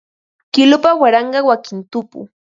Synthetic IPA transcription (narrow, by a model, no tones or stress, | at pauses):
kɪlʊpawaɾɑɴɢɑwakɪnt̪ʊpʊ̰